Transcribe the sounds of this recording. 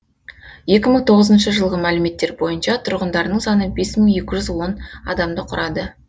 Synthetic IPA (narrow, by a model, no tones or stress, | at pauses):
je̞kʲɪməɴt̪ʰo̞ʁəzənʃəʒəlˠʁəmælɪme̞t̪ːe̞ɾbo̞jənʃɑt̪ʰʊɾʁənd̪ɑɾnəɴsɑnəbe̞sməɴe̞kʲɪʒʏzwo̞nɑ̰d̪ɑmd̪əqʰʊɾʔɑd̪ə